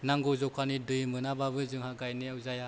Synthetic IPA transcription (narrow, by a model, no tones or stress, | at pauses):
naŋɡɔzɔkʰanidɯjmɯnababɯzɯŋhaɡajneawzaja